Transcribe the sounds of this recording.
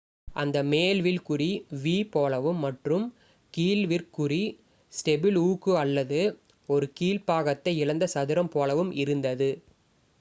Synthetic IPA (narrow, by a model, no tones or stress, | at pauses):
ʔɐnd̪ɐmeːlʋɪlkʊriʋiːpoːlɐʋɯmːɐʈrɯm | kiːlʋɪrkʊri | sʈɛbɪluːkɯɐlːɐðɯ | ɔɾɯkiːlpaːɣɐt̪ːɐɪɪɻɐnd̪ɐsɐðɪɾɐmpoːlɐʋɯmʔɪɾɯnd̪ɐðɯ